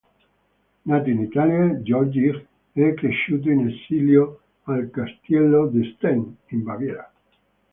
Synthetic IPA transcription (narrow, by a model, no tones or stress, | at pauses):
nat̪oinit̪aljad͡ʒɔɾd͡ʒiɾ | ɛkɾeʃːuːt̪̬oinesiljo | alkast̪jɛlːod̪est̪ɛnimbavjɛɾa